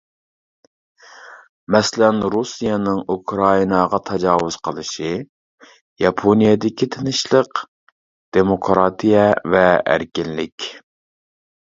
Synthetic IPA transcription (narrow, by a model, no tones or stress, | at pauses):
mɛslɛnɾusijɑnɨŋukʰɾɑinɑʁɑt̪ʰɑd͡ʒɑːwʊz̥qʰəlˠɨʃi | jɑpʰonijɛd̪ɪkʲit̪ʰɪnɪʃlˠəq | d̪̥emokʰɾɑt̪ʰijɛvɛæ̰ɾkʲɪnlɪkʲ